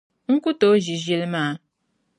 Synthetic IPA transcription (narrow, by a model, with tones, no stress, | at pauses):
ŋ̩˦ku˦to˦ʒi˨ʒe˦lmaː˦˨